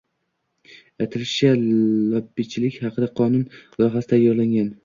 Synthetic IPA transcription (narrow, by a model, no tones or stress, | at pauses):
at̪ʰɪɾɪʃalɒbːɪt͡ʃʰɪlɪkʲhɑqʰɨd̪aqʰɒnʊnlˠɒɦɑsɪd̪ajɒɾlaŋɡʲan